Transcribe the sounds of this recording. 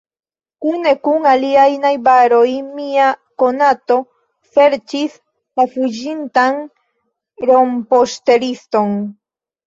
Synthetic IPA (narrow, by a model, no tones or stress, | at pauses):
kunekuŋaliajnajbaɾojmiakonat̪o̞ | fe̞ɾt͡ʃis | lafud͡ʒint̪aŋ | ɾompost̪eɾist̪o̞ŋ